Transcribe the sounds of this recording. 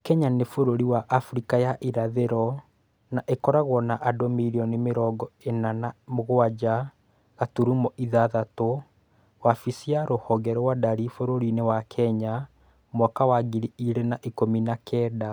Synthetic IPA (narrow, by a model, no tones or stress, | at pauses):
kɛɲanefoɾoɾiwaʔafuɾikajaʔiɾaðeɾɔ | naʔekɔɾaɣwɔnaʔadɔmiɾiɔnimeɾɔɡɔenanamoɣoad͡ʒa | ɣatuɾumɔʔiðaðato | wafisiaɾohɔɣɛɾɔwadaɾifoɾoɾinewakʰɛɲa | mwakawaɡiɾiiɾenaʔikominakʰɛːda